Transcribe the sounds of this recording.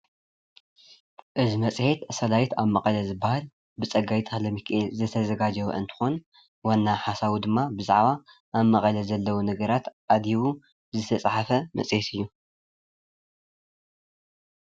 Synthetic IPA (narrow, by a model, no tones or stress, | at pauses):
ʔɨzimɐt͡sʼħet̪sɐlajt̪ʰaβmɐχʼɐlɐzɨbahal | bɨt͡sʼɐɡajt̪ʰɨxlɐmikʰʔezɨt̪ʰɐzɐɡad͡ʒɐwṵʔɨ̰nt̪ʰɨ̥xon | wanːaħasaβud̪ɨmːabɨzaʕβa | ʔːβmɐχʼɐlɐzɐlːɐwunɐɡɐɾat̪ʔad̪iwu | zɨt̪ʰɐsʼħafɐmɐ̰sʼhet̪ʰɨjːu